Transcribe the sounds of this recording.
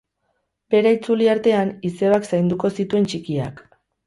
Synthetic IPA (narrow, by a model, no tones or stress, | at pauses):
be̞ɾait͡suliaɾt̪e̞anise̞βaksajnd̪uko̞sit̪ue̞nt͡ʃikia̰k